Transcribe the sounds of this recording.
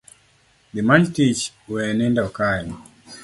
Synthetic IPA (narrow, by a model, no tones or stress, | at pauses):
d̪imand͡ʒtit͡ʃ | wɛnindɔkaj